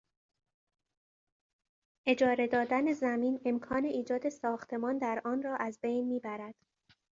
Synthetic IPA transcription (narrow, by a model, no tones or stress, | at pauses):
ʔe̞d͡ʒɒːɾe̞d̪ɒːd̪æne̞zæmiːne̞mkʰɒːne̞ʔiːd͡ʒɒːd̪e̞sɒːxt̪ʰe̞mɒːnd̪æɾʔɒːnrɒːʔæzbejnmiːbæɾæd̪̥